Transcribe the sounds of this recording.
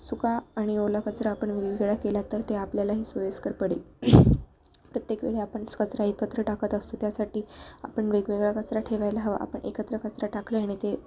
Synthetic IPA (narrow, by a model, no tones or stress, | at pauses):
sukaːɽ̃iolakət͡sɾaːpəɳʋeɡʋeɡɭakelat̪əɾt̪eapljalaɦiːsojeskəɾpəɽel | pɾət̪jekʋḛɭeapəɳskət͡sɾaekət̪ɾəʈakət̪əst̪ot̪jasaʈiːa̰pəɳʋeɡʋeɡɭakət͡sɾaʈʰeʋajlaɦəʋa̰ʔa̰pəɳʔḛkət̪ɾəkət͡sɾaʈakʰleaɽ̃it̪e